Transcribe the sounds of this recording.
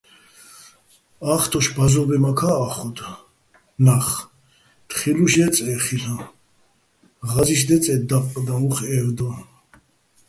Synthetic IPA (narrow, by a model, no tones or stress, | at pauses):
aχt̪ʰɔʃbazɔbɛmakʰaːχɔd̪ | naχ | t̪χiluʃɛt͡sʼɛχisa | ʁaziʃ̬d̪ɛt͡sʼɛd̪apʼqʼd̪auχɛɾd̪ɔ